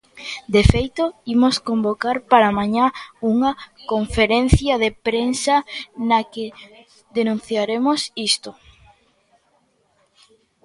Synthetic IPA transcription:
d̪efejt̪ʊimoskombokaɾpaɾamaɲauŋɐkoɱfeɾen̟θjɐðepɾensɐnɐke | ðenũn̟θjaɾemosist̪o

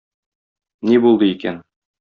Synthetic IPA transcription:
nibulˠd̪ɤikæn

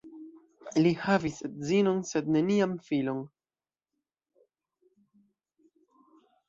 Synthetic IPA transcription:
lihavisetzino̞nse̞dne̞niamfilo̞n

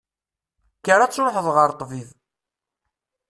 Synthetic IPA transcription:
kːəɾat͡sːɾoħəðˤʁəɾˤt̪ˤːvið

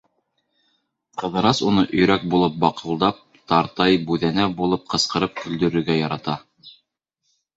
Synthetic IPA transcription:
qɤ̆ðɤ̆ɾɑsunɤʔɵ̆jɾæk̚bulˠɤp̚bɑqɤ̆lˠd̪ɑp̚ | t̪ɑɾt̪ɑjbʉðænæbulˠɤp̚qɤ̆sqɤ̆ɾɤp̚kɵ̆ld̪ɵ̆ɾɵ̆ɾɡæjɑɾɑt̪ɑ

